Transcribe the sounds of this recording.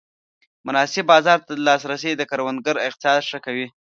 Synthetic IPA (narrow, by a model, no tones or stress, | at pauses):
mʊnɑsɪbːɑzɑɾt̪ad̪əlɑsɾasejd̪əkaɾwand̪̚ɡəɾɪqt̪ɪ̥sɑd̪ʂəkawi